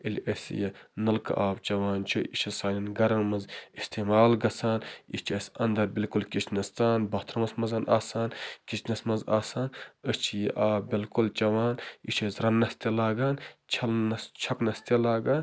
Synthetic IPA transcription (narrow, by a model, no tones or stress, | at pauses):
ilʲʔəsḭjenɐlkɐ̰ʔaːbt͡ʃɐʋaːnt͡ʃʰuiʃɐsaːninɡɐɾɐnmɐzist̪eːmaːlɡɐsaːnist͡ʃɐsɐnd̪ɐɾbilkulkiʃnɐst͡saːnbɐt̪ʰɾɐmɐsmɐzɐnʔa̰ːsaːnkit͡ʃnɐsmɐnza̰ːsaːnəst͡ʃʰijeʔaːbilkult͡ʃɐʋaːniʃɐsɾɐnːɐst̪ilaːɡaːnt͡ʃʰɐlnɐst͡ʃʰɐpnɐst̪ilaːɡaːn